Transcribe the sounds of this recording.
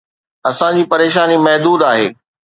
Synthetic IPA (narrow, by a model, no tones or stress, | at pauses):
ɐsãd͡ʑiːpɐɾeːʃaːnimɐɦd̪uːd̪aːɦeː